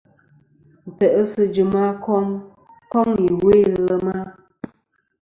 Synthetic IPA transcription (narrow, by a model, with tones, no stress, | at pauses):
n̩˨tɛ˨ʔə˦sɨ˦d͡ʒɨ˨ma˦kɔ˦ŋ | kɔ˦ŋi˨we˦˨lə˨ma˦